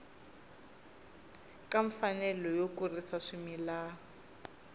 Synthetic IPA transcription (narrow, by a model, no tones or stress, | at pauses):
kʼaɱfanɛlɔjokurisaʂimilaːɔ